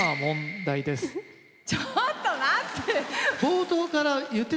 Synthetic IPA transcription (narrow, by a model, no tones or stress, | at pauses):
amõ̞nd̪aid̪e̞s | t͡ɕot̪ːonat̪ːeb̥oːt̪oːkaɾajɯ̟t̪ːe